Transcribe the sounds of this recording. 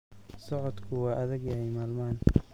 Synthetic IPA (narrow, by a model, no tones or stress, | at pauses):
sɔʕɔd̪kʰʊwɑːʔɐðɐɡjɐhɛjmaːlmaːn